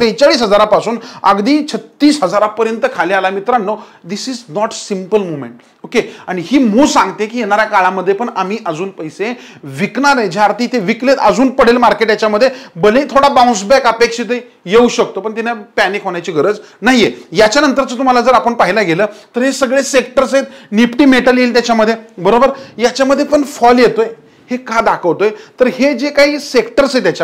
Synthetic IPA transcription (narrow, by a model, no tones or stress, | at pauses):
t̪et͡ɕaɭiːsɦəd͡zaɾapasuːnə̰ɡd̪iːt͡ɕʰət̪ːiːsɦəd͡zaɾapəɾjənt̪əkʰalialamit̪ɾanːod̪isiːd͡znɔʈsimpəlmomḛ̃ɳʈ | okeaɽ̃ihiːmuːsãŋɡt̪ẽkiːjeñaɾjakaɭaməd̪ʱːjepəɳam̤iːʔəd͡zuːnpəjseʋiknaɾẽd͡ʑaːɾt̪ʰiːt̪eʋiklet̪əd͡zuːnpəɽ̤elmaɾkeʈjat͡ɕjaməd̪ʱːjebəlẽt̪ʰoɽabãw̃s̬bɛkəpekʂit̪əj | jeuɕək̚t̪opəɳt̪inapænikɦoɳjajt͡ɕiːɡʱəɾəd͡znaɦijejat͡ɕjanənt̪əɾt͡sət̪um̤alad͡zəɾapəɳpaɦilaɡeləːt̪əɾɦesəɡɭesek̚ʈəɾsɦet̪nipʈiːmeʈəliːlt̪jat͡ɕjaməd̪ʱːjebəɾobəɾjat͡ɕjaməd̪ʱːjepəɳfɔljet̪oj | hekad̪akʰəʋt̪ojt̪əɾhed͡ʑekaɦiːsekʈəɾset̪jat͡ɕa